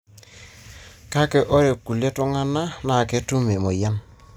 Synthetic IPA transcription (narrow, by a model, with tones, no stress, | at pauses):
ka˦ke˨ʔo˦ɾe˨kːu˨le˦tʊ˦ŋa˦na˦na˨ke˦tu˦me˨mo˨ja˦n